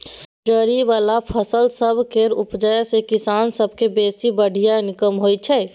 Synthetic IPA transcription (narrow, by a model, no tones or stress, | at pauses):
d͡ʒəɾiʋaːlapʰəsəlsəbʱkeɾʊpd͡ʒəjsekɪsaːnsəb̚ʱkebeːsibəɽ̤ʱijanɪkəmɦoːit͡ʃʰɛː